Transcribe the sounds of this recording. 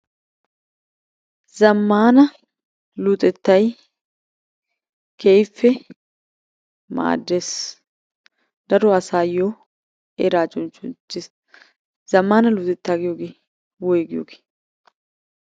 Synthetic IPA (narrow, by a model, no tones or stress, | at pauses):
zɐmːaːnɐ | luːt̪ʼɛt̪ːɐj | kejfːɛ | ma̰ːd̪ːeːs | d̪̥ɐɾɔɐsaːjoː | eɾaːt͡ʃʼɔnt͡ʃːʊnt͡ʃːɪs | z̥ɐmːaːnɐluːt̪ʼɛt̪ːaːɡɪjoːɡeː | wɔjɡɪjo̰ːɡe̥ː